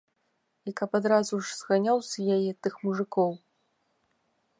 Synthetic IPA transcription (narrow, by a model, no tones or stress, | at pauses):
ikɐpad̪ɾazuʐz̥ɣanʲawsʲjajɛt̪ɨxmuʐɨkɔw